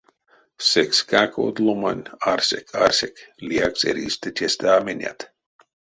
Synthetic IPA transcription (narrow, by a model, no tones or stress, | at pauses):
sekskakʰo̰d̪lomanʲarsekʰarsekliaksḛɾḭst̪et̪ʲʰest̪aːmenʲa̰t̪